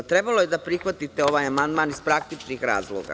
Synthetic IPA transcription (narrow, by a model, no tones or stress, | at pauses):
t̪ɾe̞balˠo̞je̞d̪apɾixʋat̪it̪e̞o̞ʋaːjamand̪maːnizpɾak̚t̪it͡ʃnixɾa̰ːzlˠo̰ɡa̰